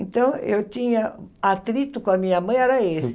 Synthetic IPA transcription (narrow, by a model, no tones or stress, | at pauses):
ẽt̪ɐ̃w̃ḛwtĩɲɐat̪ɾit̪ʊkõɐmĩɲɐmɐ̃j̃ɛɾɐesɪ̥